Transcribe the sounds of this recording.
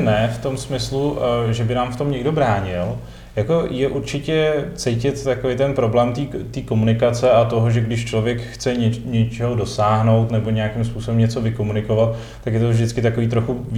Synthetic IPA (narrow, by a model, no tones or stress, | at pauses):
nɛft̪o̞msmɪsluʒɛbɪnaːmft̪o̞mɲɛɡdo̞bɾaːɲɪl | jako̞jɛʔuɾt͡ʃɪcɛt͡sɛjcɪt̪t̪ːakovejt̪ɛnpɾo̞blɛːmt̪iːt̪iːko̞munɪkat͡sɛat̪o̞ɦoʒɛɡdɪʃt͡ʃlo̞vjɛkxt͡sɛɲɛɲɛt͡ʃɛɦodo̞saːɦno̞wt̪nɛbo̞ɲɛjakɪmspuːso̞bɛmɲɛt͡so̞vɪko̞munɪko̞vat̪ | t̪ːakjɛt̪ovʒdɪt͡skɪt̪ako̞viːt̪ɾo̞xu